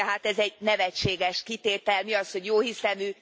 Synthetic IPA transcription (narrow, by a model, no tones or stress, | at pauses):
ɛɦaːt̪ɛzɛɟnɛvɛt͡ʃːeːɡɛʃkit̪eːt̪ɛlmiɒsho̞ɟjoːɦisɛnøː